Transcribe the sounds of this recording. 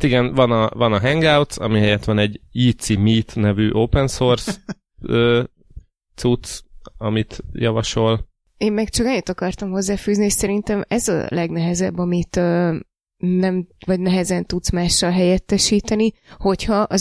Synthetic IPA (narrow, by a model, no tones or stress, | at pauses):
t̪iɡɛnvɒnɒvɒnɒɦɛŋɡawt̪sɒ̰miɦɛjɛt̪ʋɒnɛɟiːt̪simiːt̪nɛvyːʔoːpɛnsors | øː | t̪sut̪sɒmit̪jɒvɒʃo̞l | eːmːɛkt͡ʃɒkɛɲːit̪ɒkɒrt̪ɒmɦo̞zːaːfyːzniɛʃsɛɾint̪ɛmɛzɒ̰lɛɡnɛɦɛzɛbːɒmit̪øː | nɛmvɒɟnɛɦɛzɛnt̪ut̪smaːʃːɒlɦɛjɛt̪ːɛʃiːt̪ɛniho̞chɒʔɒ